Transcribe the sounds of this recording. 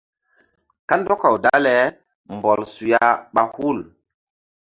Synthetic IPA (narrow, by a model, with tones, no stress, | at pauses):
ka˦ndɔ˦ka˨wda˦lɛ˨ | mbɔ˨lsu˨ja˨ɓa˨hu˦˨l